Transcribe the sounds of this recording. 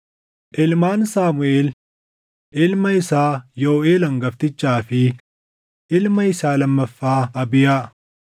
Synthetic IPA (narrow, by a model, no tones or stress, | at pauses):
ʔɪlmaːnsaːmʊeːl | ʔɪlmɐɪsaːjoːʔeːlɐŋɡɐft̪ɪt͡ʃːaːfɪ | ʔɪlmɐɪsaːlɐmːɐfːaːɐbɪjaː